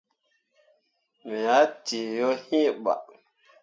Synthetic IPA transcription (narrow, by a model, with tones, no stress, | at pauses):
mi˨ja˨˦ti˨jo˦hĩ˦ɓa̰˨